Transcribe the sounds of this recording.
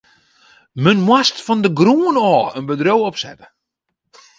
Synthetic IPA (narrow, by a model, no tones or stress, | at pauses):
mənmwastfɔndəɡruənɔːənbədrowɔpsɛ̰tə̥